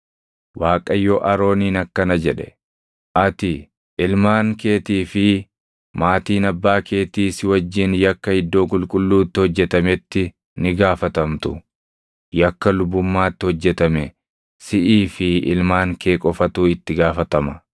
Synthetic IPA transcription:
waːkʼɐjːɔʔɐɾo̞ːniːnɐkːɐnɐd͡ʒɛᶑɛ̰ | ʔɐt̪ɪ | ʔɪlmaːŋke̞ːt̪iːfɪ | maːt̪iːnɐbːaːkʰe̞ːt̪iːsɪwɐd͡ʒːɪnjɐkːɐhɪd̪ːo̞ːkʼʊlkʼʊlːuːt̪ːɪhɔd͡ʒːɛt̪ɐmɛt̪ːɪ | nɪɡaːfɐt̪ɐmt̪ʊ | jɐkːɐlʊbʊmːaːt̪ːɪhɔd͡ʒːɛt̪ɐmɛ | sɪʔiːfɪɪ̰lmaːŋkʰe̞ːkʼɔfɐt̪uːɪt̪ːɪɡaːfɐt̪ɐmɐ

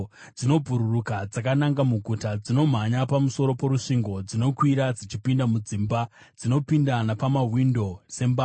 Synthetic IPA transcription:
d͡zino̞bʱuɾurukad͡zak̬anaŋɡamuɡʱutad͡zino̞m̤aɲapamuso̞ɾo̞po̞ɾuʂiŋɡo̞d͡zino̞kwiɾad͡zit͡ʃipindamud͡ziːmba | d͡zino̞pindanapamaɦwindo̞se̞mba

